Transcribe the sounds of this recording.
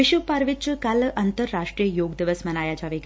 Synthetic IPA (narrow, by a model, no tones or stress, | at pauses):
iʃupaɾʋit͡ɕəkalʔɐnt̪əɾːaʂʈɾijəjoɡd̪iʋəsmɐnajat͡ɕaʋik